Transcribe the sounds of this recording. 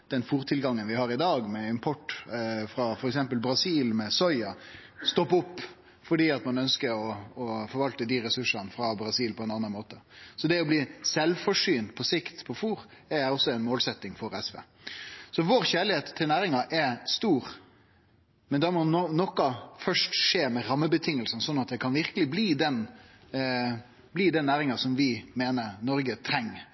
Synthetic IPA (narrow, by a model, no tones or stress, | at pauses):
d̪̥ɛnfuːɾt̪ʰɪlɡɑŋːənʋɪhɑːɾɪd̪ɑːɡmɛɪmpʰɔʈːfɾɑfɔɾɛksɛmpəlbɾɑsiːlmɛsɔʏɑ | st̪ɔpːʊpː | fɔɖiːɑt̪mɑnœnskəɾɔɔfɔɾʋɑlt̪əd̪iːɾɛsʉʂɑnfɾɑbɾɑsiːlpʰɔɛnɑnːɑnmoːt̪əsɔd̪ɛɔbliːsɛlfɔʂyːnt̪pʰɔsɪkt̪pʰɔfuːɾæɾɔsːɔɛnmoːlsɛt̪ːɪŋfɔɾɛsʋḛː | sɔʋoːɾçæːɭɪheːt̪ʰːɪlnæːɾɪŋɑʔɛst̪uːɾ | mɛnd̪ɑmɔnɔnɔkːɑfœʂʈʂeːmɛɾɑmːəbət̪ʰɪŋːəlsən̩sɔnːɑt̪̚d̪ɛkʰɑnʋɪɾkəlɪbliːd̪ɛn | bliːd̪ɛnːæːɾɪŋɑsɔmʋɪmeːnəɾnɔɾɡət̪ʰɾɛŋː